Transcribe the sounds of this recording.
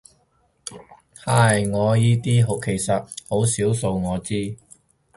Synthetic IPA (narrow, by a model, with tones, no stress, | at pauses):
haː˨˥˩jŋɔː˨˧jiː˥t̪iː˥ɦo˨˥wkʰe˨˩jsɐ˨t̚ho˨˥wsiː˨˥wso˧wŋɔː˨˧t͡siː˥